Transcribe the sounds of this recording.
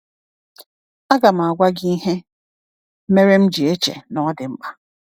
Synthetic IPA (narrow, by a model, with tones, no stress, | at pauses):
a˦ɡa˨m̩˨a˨ɡʷa˦ɡi˦i˦ɦe˦ | me˦ɾe˦m̩˦d͡ʒi˨e˦t͡ʃḛ˨nɔ˨˦dɪ˨m̩˦k͡pa˦